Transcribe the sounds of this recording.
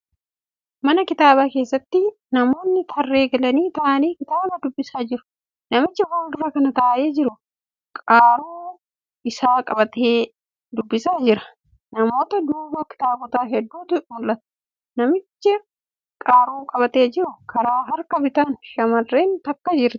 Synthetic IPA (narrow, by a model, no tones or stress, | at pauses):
mɐnɐkɪt̪aːbaːke̞ːsːɐt̪ːɪ | nɐmo̞ːnːɪt̪ʰɐrːe̞ːɡɐlɐniːt̪ɐʔɐniːkɪt̪aːbɐd̪ʊbːɪsaːd͡ʒɪɾʊ̥ | nɐmɪt͡ʃːɪfaːld̪ʊɾɐkɐnɐt̪ɐːʔeːd͡ʒɪɾʊ | kʼaːɾuː | ɪsaːkʼɐbɐt̪eː | d̪ʊbːɪsaːd͡ʒɪɾɐ̥ | nɐmo̞ːt̪ɐd̪uːbɐkɪ̥t̪aːbɔt̪aːɦɛd̪ːuːt̪ʊmʊlʔɐt̪ɐ̥ | nɐmɪt͡ʃːɪ | kʼaːɾuːkʼɐbɐt̪e̞ːd͡ʒɪɾʊkɐɾaːɦɐɾkɐbɪt̪aːnʃɐmɐrːe̞ːnt̪ɐkːɐd͡ʒɪɾt̪ɪ̥